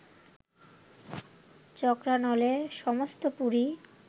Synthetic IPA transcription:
t͡ɕɔkɾanɔleʃɔmost̪opuɾi

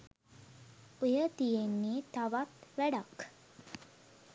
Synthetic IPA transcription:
ojət̪ijenːeːt̪aʋat̪ʋæɖak

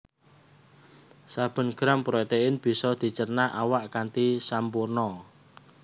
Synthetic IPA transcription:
sab̥ə̤nɡ̥ɾampɾet̪eɪnb̥i̤sɔd̪̥i̤t͡ʃərnaʔawaʔkant̪isampurnɔ

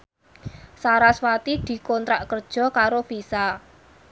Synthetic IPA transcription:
saɾaswat̪id̪̥i̤kɔnt̪ɾaʔkərd̥ʒ̥ɔ̤kaɾofisa

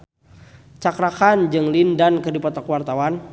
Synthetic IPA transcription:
t͡ʃakɾakand͡ʒɨŋlindankədipɔt̪ɔkwart̪awan

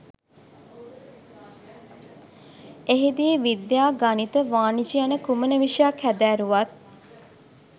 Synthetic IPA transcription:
eɦid̪iːʋid̪jaːɡanit̪əʋaːnid͡ʒijanəkumənəʋiʂjakhæd̪æːɾuʋat̪̚

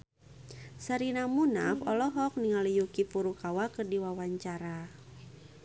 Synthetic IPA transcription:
saɾinamunafɔlɔɦɔk̚niŋalijukipuɾukawakɨrdiwawaɲt͡ʃaɾa

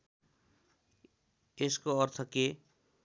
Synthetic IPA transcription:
eskoɔɾt̪ʰɔke

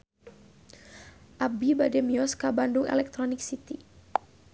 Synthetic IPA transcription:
ʔabibadɛmiɔskabandʊŋɛ̰lɛk̚t̪ɾonɪk̚sit̪i

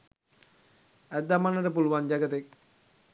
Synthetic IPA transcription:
æt̪ːamanːəʈəp̬uluʋand͡ʒaɡət̪ek̚

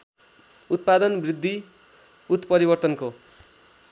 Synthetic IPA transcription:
ut̪̚pad̪ʌnbrid̪ʱːi | ut̪pʌɾibʌrt̪ʌnko

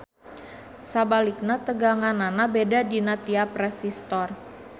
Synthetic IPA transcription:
sabalik̚nat̪əɡaŋananabedadinat̪iaprɛsist̪ɔr

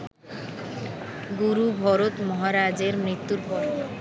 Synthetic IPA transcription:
ɡuɾubʱɔɾot̪mɔɦaɾad͡ʑeɾmɾit̪ːuɾbʱɔɾ

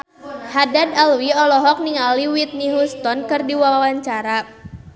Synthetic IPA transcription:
hadadalwiɔlɔɦɔk̚niŋaliwit̪̚niɦust̪ɔnkɨrdiwawaɲt͡ʃaɾa

